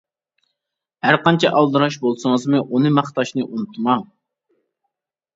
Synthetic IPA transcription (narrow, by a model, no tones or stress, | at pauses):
hæɾqɑnt͡ʃʰɛʔɑlˠd̪ɨɾɑʃbolˠsɨŋəzmɨʔunɨmɑχt̪ɑʃnɨʔunɨt̪ʰmɑŋ